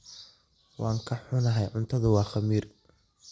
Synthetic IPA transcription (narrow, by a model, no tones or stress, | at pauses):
wɑːŋkʰɐħʊnɐɦɛjʕʊnt̪ʰɐðʊwɑːχɐmiːr